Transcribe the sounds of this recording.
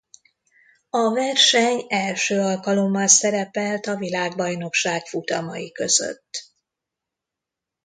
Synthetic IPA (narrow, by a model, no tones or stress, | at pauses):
ɒvɛrʃɛɲɛlʃøːɒlkɒlo̞mːɒlsɛɾɛpɛlt̪ɒvilaːɡ̚bɒjno̞kʃaːkfut̪ɒmɒjikø̞z̥ø̰t̪ː